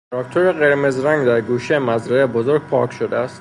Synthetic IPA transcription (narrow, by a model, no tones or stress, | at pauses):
ɾɒkt̪ʰoɾeɣe̞ɾmezɾæŋɡd̪æɾɡuːʃejemæzɾæebozoɾɡ̚pʰɒːkʰʃod̪eæst̪